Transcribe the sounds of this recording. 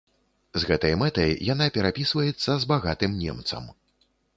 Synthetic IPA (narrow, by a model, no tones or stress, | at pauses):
zɣɛt̪ɐjmɛt̪ɐjjanapʲɛɾapʲisvɐjɛt̪sːɐzbaɣat̪ɨmnʲɛ̰mt̪sɐ̰m